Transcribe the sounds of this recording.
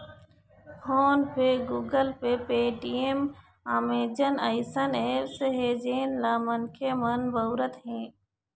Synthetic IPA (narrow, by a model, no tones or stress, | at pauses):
hʰoːnpʰeːɡuːɡəlpepeːʈiem | aːmeːd͡ʒənəɪsəneːseɦeːd͡ʒeːnlaːmənkʰemənbəwɾət̪ɦẽː